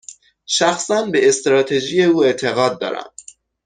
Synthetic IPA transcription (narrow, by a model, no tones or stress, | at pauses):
ʃæxsænbeest̪ɾɒːt̪ʰe̞ʒije̞uːe̞t̪ʰe̞ɣɒːd̪̚ːɒ̰ːɾæ̰m